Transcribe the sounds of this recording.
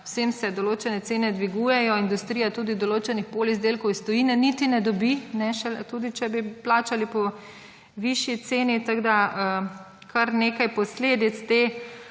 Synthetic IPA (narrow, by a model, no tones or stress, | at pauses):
wsemsɛd̪ɔloːt͡ʃɛnɛt̪seːnɛd̪ʋiɡujɛjɔind̪ust̪ɾijat̪uːd̪id̪ɔloːt͡ʃɛnixpoːlizd̪eːlkɔwist̪ɔjiːnɛnit̪inɛd̪ɔbinɛʃɛt̪uːd̪it͡ʃɛbiplaːt͡ʃalipɔ | ʋiʃjit̪seːnit̪aɡd̪aə | kʰaɾneːkajpɔsleːd̪it̪st̪eː